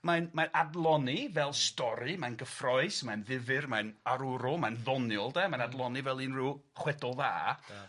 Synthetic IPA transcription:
majnmanʔadlˠɔnivɛlˠstɔɾɨmajnɡəfrɔɨsmajnðɪvɨrmajnaɾuɾɔmajnðɔnjɔlˠdɛmanadlˠɔnivɛlˠinrɪwχwɛdɔlˠða̰ː

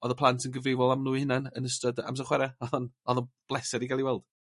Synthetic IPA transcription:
ɔðəpʰlˠantʰənɡəvejvɔlˠamnuːhɪnanənəstɔda̰ms̬aχwɛɾɛɔðɔnɔðɔb̥lˠɛsɛɾiɡalˠiwɛlˠd̥

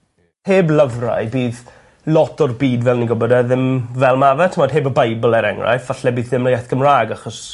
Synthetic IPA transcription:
heːbləvra̰jbiːð | lˠɔtʰɔrbiːdvɛlˠniɡʊbɔdɛðɪmvɛlˠmavɛtʰəmɔd̥ɦeːbəbajbəlˠɛɾɛŋra̰jfvaɬɛbiːðɪmləjɛθɡ̥əmraːɡaχɔs

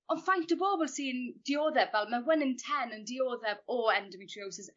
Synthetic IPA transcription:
ɔnfajntəboːbəlˠsiːnd̥ioːðɛvvɛlˠmawɛnɪ̃ntʰɛnəndioːðɛvɔɛndəmitʰriowsɪz

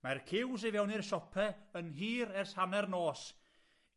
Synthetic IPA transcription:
markʰɪws̬ɪvɛwnɪrʃɔpʰɛənɦiːɾɛrshanɛrnoːs

